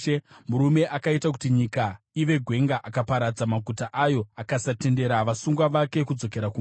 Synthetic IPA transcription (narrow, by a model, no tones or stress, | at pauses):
muɾume̞ʔakaitak̬utiɲika | iʋe̞ɡʱwe̞ŋɡaʔakapaɾad͡zamaɡʱutaʔajo̞akasate̞nde̞ɾaʋasuŋɡwaʋake̞kud͡zo̞ke̞ɾaku